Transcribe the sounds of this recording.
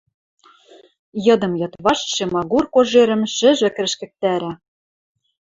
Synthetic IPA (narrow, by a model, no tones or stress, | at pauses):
jɤ̆d̪ɤ̆mjɤ̆t̪βɑʃʃemɑɣurkoʒeɾɘ̆mʃɘ̆ʒɘ̆k̆ɾɘ̆ʃkɘ̆k̚t̪æɾæ